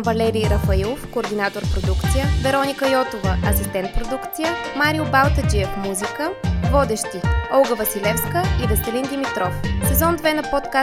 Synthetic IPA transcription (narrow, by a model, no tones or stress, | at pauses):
vɐlɛɾiɾɐfɐilˠofkoːɾd̪inat̪oɾpɾod̪ukt̪sijəvɛɾɔnʲikəjɔt̪ovəɐsist̪ɛnt̪̚pɾod̪ukt̪sijəmaɾiʊbalˠt̪əd͡ʒiɛfmuzikəvɔd̪ɛʃt̪iɔlˠɡəvɐsilɛfskəid̪əst̪ɛlind̪imit̪ɾɔfsɛzɔnd̪vɛnɐpɔt̪ka